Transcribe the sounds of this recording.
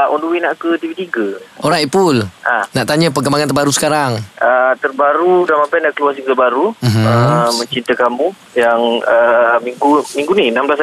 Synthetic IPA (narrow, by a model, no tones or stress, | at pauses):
ʔɔnduwinaʔkət̪ivit̪iɡəoɾaipulanaʔt̪aɲə̃p̬əkəmbaŋãnt̪ərbaɾusə̥kaɾaŋʔət̪ərbaɾudanmampajnaʔkəluasiŋt̪əbaɾum̩ɦəmə̃ɲt͡ʃint̪əkamu | jaŋəmiŋɡumiŋɡuniənamblas